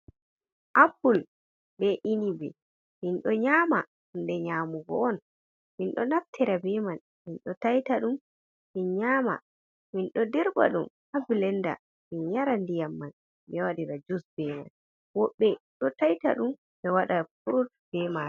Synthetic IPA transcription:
ʔapul | bɛʔinibɛ̰ | minɗɔɲama | ndɛɲaːmuɡɔ̰ɔn | minɗɔnaftʰɛɾabɛman | minɗɔtajtaɗum | minɲama̰ | minɗɔdɛɾba̰ɗum | abilɛnda̰ | minɲaɾandijamːan | mɛwaɗiɾad͡ʒusbɛma̰n | wɔɓːɛɗɔtajta̰ɗum | bɛwaɗafuɾut̚ | b̥ɛma

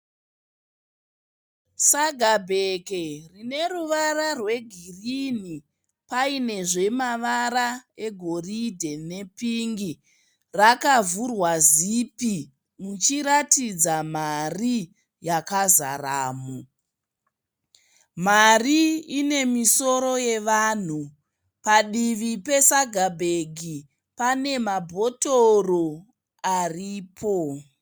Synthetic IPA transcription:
saɡʱabʱekerine̞ruʋararwe̞ɡʱirini | paine̞ʐe̞maʋaɾae̞ɡʱo̞ridʱe̞ne̞piŋɡi | rakavurwazipi | mut͡ʃiɾatid͡zamari | jakazaraːmu | mariine̞miso̞ɾo̞je̞ʋaːn̤u | paɗiʋipe̞saɡʱabʱeɡʱi | pane̞mabʱo̞toro | ariːpʰo

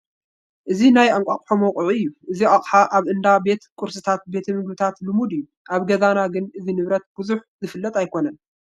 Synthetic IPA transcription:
ʔɨzinajaŋkʷʼakʼħomɐwqʼʕuɨjːuʔɨziʔaχʼħaʔaβʔɨnd̪abe̞t̪kʼʊɾsɨt̪ʰat̪̚be̞t̪ʰɐmɨɡbɨt̪ʰat̪lɨmud̪ɨjːu | ʔaβɡɐzanaɡɨnɨzinɨβɾɐt̪̚b̥ɨzuħzɨfɨlːɐt̪ʼajkʰo̞nɐn

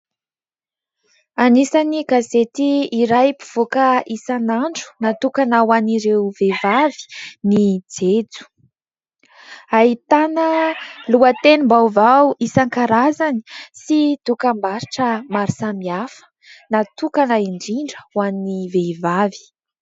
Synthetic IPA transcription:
anisaniɡazet̪iːɾajpu̥v̥okəisanaɳɖ͡ʐu̥nat̪ukanawaniɾewvevavi̥nid͡zed͡zu̥ | aɦit̪anəluat̪enimbawvawisaŋkaɾazani̥sid̪ukambaɾiʈ͡ʂəmaɾisamiafə̥ | nat̪ukanaiɳɖ͡ʐiɳɖ͡ʐə̥wannivevavi̥

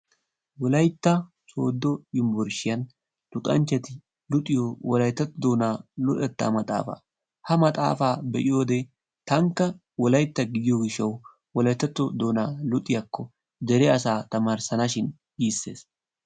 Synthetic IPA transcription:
wɔlɐjt̪ːɐ | so̞̰ːd̪ːɔjɪmbɔɾʃɪjɐn | t̪ʊt̪ʼɐ̰nt͡ʃːɛt̪ɪ | lʊt̪ʼːɪjoːwɔlɐjt̪ːɐt̪ːɔd̪oːnaːlʊᶑɛt̪ːa̰ːmɐt̪ʼa̰ːfa̰ | hɐmɐt̪ʼa̰ːfaːbɛʔɪjoːd̪ɛ | t̪ɐŋkːɐ | wɔlɐjt̪ːɐɡɪd̪ɪjoɡɪʃːɐw | wɔlɐjt̪ːɐt̪ːɔd̪o̞ːnaːlʊt̪ʼɪjɐkːɔ | d̪ɛɾɛɐsaːt̪ɐmaːɾsɐnɐʃɪn | iːsːe̞̰ːs

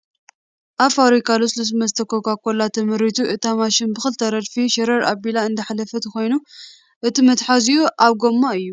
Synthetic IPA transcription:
ʔaβfaɾikʰaluslus̬mɐst̪ʰɐkʰokakːolːat̪ʰɨmɨɾit̪ʰuʔɨt̪amaʃɪnbɨxɨlt̪ʰɐɾɐd̪fiʃɐɾɐɾʔa̰bilaɨnd̪ɐħalɐfɐt̪ʰɨxo̞jnu | ʔɨt̪ʰimɐt̪ħazijuʔaβɡomːaɨjːu

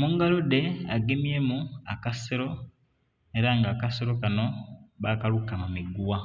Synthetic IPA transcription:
muŋɡalode̞aɡemjemuakaseɾo̞ | eɾaŋɡaːkaseɾo̞kano̞βakalukamumiɡuwa

